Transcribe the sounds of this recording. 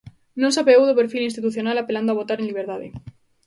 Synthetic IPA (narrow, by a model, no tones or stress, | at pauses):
nõnsaβeewðopeɾfilinst̪it̪uθjonalapelãnd̪oaβot̪aɾẽnliβ̞eɾt̪aðḛ